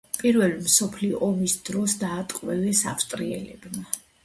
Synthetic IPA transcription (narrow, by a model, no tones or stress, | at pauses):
pʼiɾvɛlmsɔpʰliɔʔɔmisd̪ɾɔsd̪aːt̪ʼqʼwɛvɛsaft̪ʼɾiɛ̰lɛbma